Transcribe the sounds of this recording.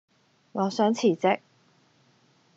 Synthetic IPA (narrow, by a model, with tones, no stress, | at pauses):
ŋɔː˨˥sœː˨˥ŋt͡sʰiː˨˩t͡sɪ˥k̚